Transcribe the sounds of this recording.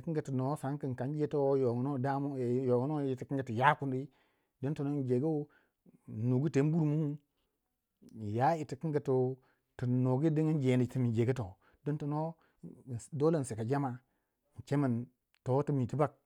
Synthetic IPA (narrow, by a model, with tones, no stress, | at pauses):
kə˦ɡə˨tə˨no˨˦sa˨˦ŋkə˨n˨ka˨˦n˦d͡ʒe˦to˦wjo˨ŋ˨no˦da˦m˦˨jo˨ŋu˦no˦i˨ti˨ki˦ŋɡə˨tu˨ja˦ku˦ndi˦ | di˦nto˨no˦n˦d͡ʒe˨ɡo˦˨ | nu˨ɡi˦te˨˦bu˦ɾmu˦˨ | ja˦i˨ti˨ki˦ŋɡə˨to˨ | tə˨no˨ɡi˦di˦ŋi˦nd͡ʒe˨ni˨ti˨mi˨d͡ʒe˨ɡə˦to̰˨ | di˦nto˨no˦˨ | do˦lə˦˨n˨si˨ka˨d͡ʒa˦ma˨ | n̩˨t͡ʃe˦mə˨n | to˨˦tə˦mi˨ti˦ba˦˨k̚